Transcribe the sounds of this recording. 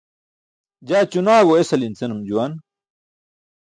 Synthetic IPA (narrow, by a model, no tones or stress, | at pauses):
d͡ʑaːt͡ɕunaːɣoesɐlint͡senumd͡ʑuwan